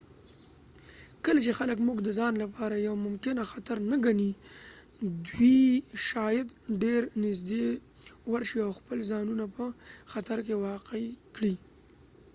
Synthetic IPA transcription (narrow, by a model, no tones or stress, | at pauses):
kəlat͡ʃexaləkmʊɡd̪əzɑnlapɑɾajawmʊmkɪnaxat̪aɾnaɡani | d̪wiʃɑjad̪ɖeɾnɪzd̪e | waɾʃiawxpəlzɑnunapəxat̪aɾk̬ewɑqekɽi